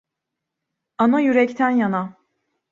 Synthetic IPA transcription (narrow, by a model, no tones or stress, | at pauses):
anajyɾɛct̪ʰænjana